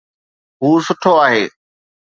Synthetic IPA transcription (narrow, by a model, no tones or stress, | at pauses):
ɦuːsʊʈʰoaːɦeː